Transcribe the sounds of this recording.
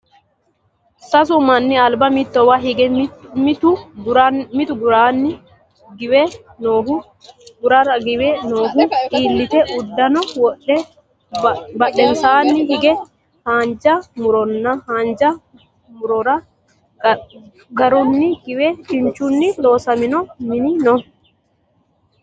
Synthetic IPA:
sɐs̬ʊmɐnːɪɐlbɐmɪt̪ːɔwɐɦɪɡɛmt̪ʊɾmɪt̪ʊɡʊɾaːnːɪ | ɡɪwɛ | noːhʊ | ɡʊɾɐɾɐɡɪwɛnoːhʊtiːlːɪt̪ɛʔʊd̪ːɐnɔwɔɗɛ | bɐɗɛnsaːnːɪɦɪɡɛ | haːnd͡ʒɐmʊɾɔnːɐhaːnd͡ʒɐ | mʊɾɔɾɐ | ɡɐɾʊnːɪɡ̥ɪwɛt͡ʃɪnt͡ʃːʊnːɪlo̞ːsɐmɪnɔmɪnɪnɔ

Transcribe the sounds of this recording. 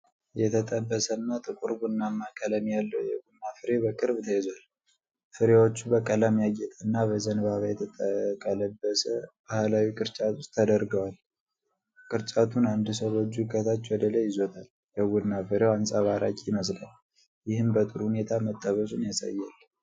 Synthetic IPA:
jɛt̪ʰət̪ʼəbːəsənːat̪ʼɨkʼuɾɡunːamːakʼələmjalːəwjɛɡunːafɨɾebəkʼɨɾbt̪ʰəjɛzal | fɨɾewot͡ʃːubəkʼələmjaɡɛt̪ʼənːaβəzənβaβajɛt̪ʰəəkʼələbːəsəb̥ahlawikʼɨɾt͡ʃʼat̪ʰu̥stt̪ʰːəd̪əɾɡəwal | kʼɨɾt͡ʃʼat̪ʰunand̪ɨsəβod͡ʒːukʰət̪ʰat͡ʃːwɔd̪ələjɪzot̪ʰal | jɛɡunːafɨɾewansʼaβaɾakʼiməsla̰l | jɪhɨmbət̪ʼuɾhune̞t̪ʰamət̪ʼːəβəsunjasa̰jːal

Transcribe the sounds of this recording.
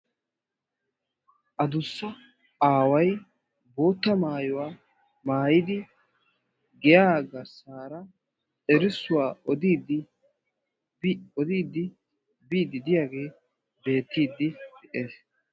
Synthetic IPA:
ʔɐd̪ʊsːɐ | aːwɐj | bo̞ːt̪ːɐmaːjʊwaː | maːjɪd̪ɪ | ɡɛjaːɡɐsaːɾɐ | t͡sɛɾɪsːʊwaːɔd̪iːd̪ɪ | ɔd̪iːd̪ɪ | biːd̪ɪd̪ɪjaːɡe̞ː | be̞ːt̪ːiːd̪ɪd̪̥ɛʔe̞ːs

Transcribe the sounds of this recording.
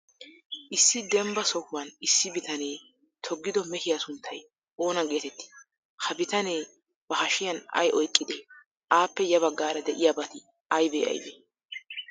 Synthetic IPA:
ʔɪsːɪd̪ɛmbɐsɔhʊwɐnɪsːɪbɪt̪ɐne̞ː | t̪ʰɔɡːɪd̪ɔmɛhɪjasʊnt̪ʰːɐj | o̞ːnɐɡe̞ːt̪ɛt̪ːɪ̥ | hɐbɪt̪ɐneː | b̥ɐhɐʃɪjɐnɐ̰jʔɔjkʼːɪd̪eː | ʔaːpːɛjɐβɐɡːaːɾɐd̪ɛʔɪjaːbɐt̪ɪ | ɐjbḛːɐ̰jbḛ

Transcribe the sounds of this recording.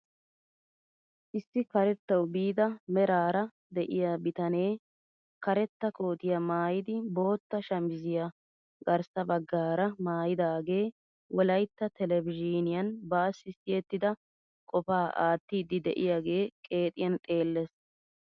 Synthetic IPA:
ʔɪsːɪkɐɾɛt̪ːɐwbiːd̪ɐmɛɾaːɾɐ | d̪ɛʔɪjabɪt̪ɐne̞ː | kɐɾɛt̪ːɐko̞ːt̪ɪjɐmaːjɪd̪ɪbo̞ːt̪ːɐʃɐmɪzɪja | ɡɐɾsɐbɐɡːaːɾɐmaːjɪd̪aːɡe̞ː | wɔlɐjt̪ːɐt̪ɛlɛbɪʒiːnɪjɐnbaːsɪsɪjɛt̪ːɪd̪ɐ | kʼɔfaːʔa̰ːt̪ːiːd̪ːɪd̪ɛ̰ʔɪjaːɡe̞ːkʼe̞ːt̪ʼɪjɐnt̪ʼe̞ːlːɛs

